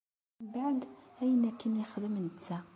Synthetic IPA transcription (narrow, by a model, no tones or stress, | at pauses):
mbaʕd̪æjnækænjəxðəmnət͡sːæ